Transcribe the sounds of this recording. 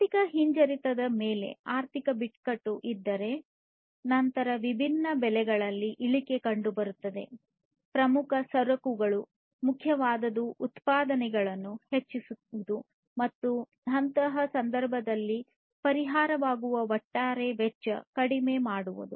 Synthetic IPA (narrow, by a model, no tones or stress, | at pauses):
t̪ikɐɦiɲd͡ʒɐɾit̪ɐd̪ɐmeːle̞̰aːɾt̪ʰikɐbiʈkɐʈːuʔid̪ːɐɾe̞ | nɐnt̪ɐɾɐʋibʱinːɐbɛlɛɡɐɭɐlːiʔiɭike̞kɐɳɖubɐɾut̪ːɐd̪e̞̰ | pɾɐmukʰɐsɐɾɐkuɡɐɭu | mukʰːjɐʋaːd̪ɐd̪uʔut̪paːd̪ɐnɛɡɐɭɐnːuhet͡ʃːisuud̪u | mɐt̪ːu | ɐnt̪ɐɦɐsɐnd̪ɐɾbʱɐd̪ɐlːi | pɐɾiɦaːɾɐʋaːɡuʋɐʋɐʈːaːɾeʋɛt͡ʃːɐ̰kɐɽime̞ːmaːɽuʋṵd̪u